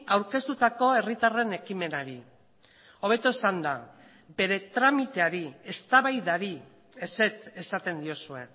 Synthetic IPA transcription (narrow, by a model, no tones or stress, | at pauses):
awɾke̞st̪ut̪ako̞e̞rit̪are̞ne̞kime̞naɾi | o̞β̞e̞t̪osand̪a | be̞ɾe̞t̪ɾamit̪e̞aɾie̞st̪aβajðaɾi | e̞se̞t͡se̞sat̪e̞nd̪io̞sue̞